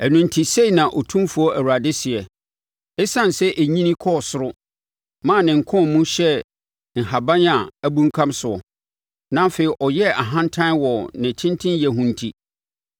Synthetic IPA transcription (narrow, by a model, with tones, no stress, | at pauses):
æ˨nũ˨ntʰi˨se˦i˨nã˨ʔɔ˨tʰũ˦mfu˨˦ɔ˦ʔæ˨wa˨dɪ˦sɪ˨ɛ˨ | ɛ˦sã˦n˨sɛ˦ʔe˨ɲĩ˦nĩ˦kʰɔ˦˨sʊ˦ɾʊ˦ | mã˦˨nɪ̃˨ŋ̩˨kʰʊ̃˦nmũ˦ɕɛ˦ | n̩˨ɦa˨bã˦n˦a˨æ˦bũ˦ŋ̩˦kʰã˦msʊ˨ɔ˨ | nã˦feː˨i˨ʔɔ˨jɛ˦a˨ɦã˦n˦tʰã˦nwɔ˨nɪ̃˨tʰɪ̃˦ntʰɪ̃˦n˦jɛ˦ɦũ˦n̩˨tʰi˦